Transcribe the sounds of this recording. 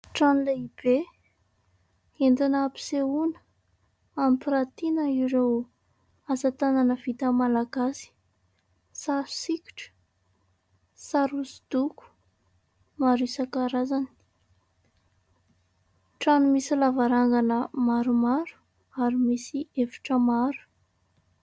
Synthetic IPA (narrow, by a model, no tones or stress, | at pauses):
ʈ͡ʂanlaib̥e | end̪inapi̥seunə̥ | amipiɾat̪inəiɾew | azat̪ananəv̥it̪əmalaɡasi̥ | saɾu̥sikʲu̥ʈ͡ʂə̥ | saɾusi̥d̪̥uku̥ | maɾisakaɾazani̥ | ʈ͡ʂanumisilavaɾaŋɡanəmaɾumaɾu̥ | aɾimisiefi̥ʈ͡ʂəmaɾu̥